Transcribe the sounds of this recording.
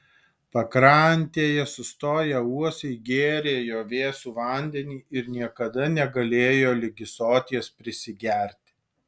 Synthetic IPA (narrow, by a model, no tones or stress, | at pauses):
pɐkɾɑnʲt̪ʲeːjɛsʊst̪oːjɛuɔsʲɛɪɡʲeːɾʲeːjoːʋʲeːsuːʋɐˑnʲd̪ʲɛnʲiːʔɪɾnʲiɛkɐd̪ɐnʲɛɡɐlʲeːjoːlʲɪɡʲɪsoːt̪ʲispʲɾʲɪsʲɪɡʲæɾʲt̪ʲɪ̥